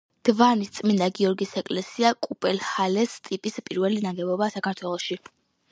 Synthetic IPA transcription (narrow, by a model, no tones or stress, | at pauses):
d̪̥vanit̪sʼmind̪aɡiɔɾɡisɛkʼlɛsiakʼupʼɛlχalɛst̪ʼipʼispʼiɾvɛlinaɡɛbɔbasakʰaɾt̪ʰwɛlˠɔʃi